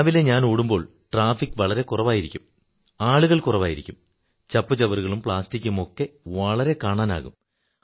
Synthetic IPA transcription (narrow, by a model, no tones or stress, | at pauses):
ʋileɲaːnoːɽumbo̞ːɭ | ʈraːfikːɨʋɐɭɐɾe̞kurɐʋaːjiɾikʲːum | aːɭuɣɐɭkurɐʋaːjiɾikʲːum | t͡ɕɐpːɨt͡ɕɐʋɐruɣɐɭumpɭaːstikʲːumo̞kːe̞ʋɐɭɐɾe̞kaːɳaːna̰ːɣṵm